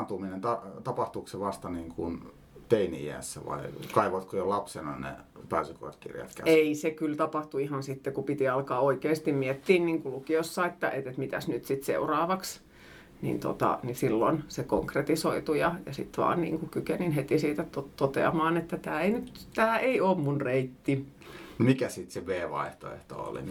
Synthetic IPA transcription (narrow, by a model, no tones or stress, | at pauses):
nt̪uminent̪ɑt̪ɑpɑht̪ukseʋɑst̪ɑniːŋkun | t̪einḭjæ̰sːæʋɑ̰ikɑiʋɑt̪kojolɑpsenɑnḛpæːsyko̰rt̪kḭrjɑ̰t̪kæ̰eisekylt̪ɑpɑht̪uihɑnsit̪ːekupit̪iɑlkɑːoikeːst̪immiet̪ːiːnniːŋkulukiosːɑet̪ːæʔet̪et̪mit̪æsnyt̪sit̪sḛurɑːʋɑks | nḭnt̪o̰t̪ɑ̰nisilːonseko̰ŋkret̪isoit̪ujɑjɑsḭt̪ʋɑ̰ːnnḭːŋkukykeninhet̪isiːt̪æt̪ot̪ot̪ḛɑ̰mɑːnet̪ːæt̪æːeinyt̪t̪æːeioːmmunreit̪ːimikæsit̪seʋeːʋɑ̰iht̪o̰ḛht̪o̰o̰lḭ